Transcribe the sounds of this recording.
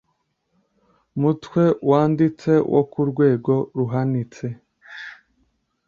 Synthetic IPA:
mutwe̞waːndit͡se̞wʔo̰kuɾɡwe̞ːɡo̞ɾuɦanit͡se

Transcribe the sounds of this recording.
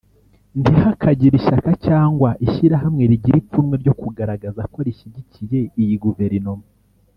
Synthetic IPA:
ndihakʰaɟiɾiʃakacaːŋɡwaʔiʃiɾaɦamŋe̞ɾiɟiɾipunmwe̞ɾɟo̞kuɡaɾaɡazako̞ɾiʃiɟicije̞ijiɡuve̞ɾinomo

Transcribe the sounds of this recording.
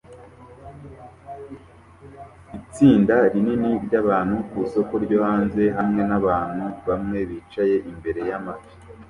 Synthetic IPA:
it͡siːndaɾininiɾɟaβaːn̥hukuso̞ko̞ɾɟo̞ːhaːnze̞ɦamŋe̞naβaːn̥huβamŋe̞βiːt͡ʃaje̞ʔimbe̞ɾe̞jamaβi̥

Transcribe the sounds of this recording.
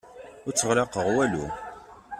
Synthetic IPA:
ʊɾt͡sːəʁlɑqəʁwælu

